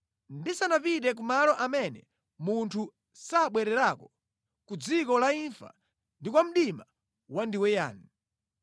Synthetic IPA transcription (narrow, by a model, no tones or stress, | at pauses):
ndisanapiɗɛk̬umalɔʔamɛnɛ̰ | muntʰu | saːɓwɛɾɛɾakɔ | kud͡zikɔlaiɱfa̰ | ndikwam̩ɗima | wandiwɛja̰ːni